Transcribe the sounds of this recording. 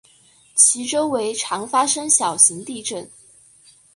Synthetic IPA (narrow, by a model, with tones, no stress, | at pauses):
t͡ɕʰi˧˥ʈ͡ʂo˥ʊwe˧˥ɪʈ͡ʂʰɑ˧˥ŋfa˥ʂɤ˥ŋɕjɑ˨˩ʊɕi˧˥ŋt̪i˥˧ʈ͡ʂə˥˩n